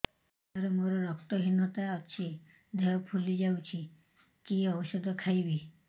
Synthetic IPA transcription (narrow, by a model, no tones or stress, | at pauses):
ɔɾemoɾɔɾɔkt̪ɔɦinɔt̪aɔt͡ʃʰi | d̪ʱɛjɔpʰulid͡ʒawt͡ʃʰi | kiɔwɔsɔd̪ʱɔkʰajbi